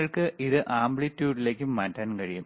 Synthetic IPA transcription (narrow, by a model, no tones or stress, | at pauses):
ɐɭkɨʔiðɨʔaːmbɭitːjuːɖile̞ːkʲːumːaːtːaːnkɐɻijum